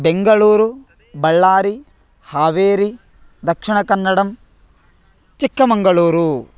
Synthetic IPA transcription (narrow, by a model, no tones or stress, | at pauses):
beŋɡɐɭuːɾu | bɐɭːaːɾi | haːʋeːɾi | d̪ɐkʂiɳɐkɐnːɐɽɐm | t͡ʃikːɐmɐŋɡɐɭuːɾu